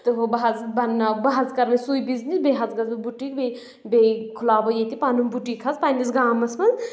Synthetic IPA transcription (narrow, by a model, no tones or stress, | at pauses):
t̪ɨɦobɐɦɐzbɐnɐbɐɦɐzkɐɾmɐsujbiznisbeɦɐt͡sɡɐzɐbuʈikbe | bekʰulaːbɐjet̪ipanumbuʈikʰɐzpanisɡaːmɐsmɐz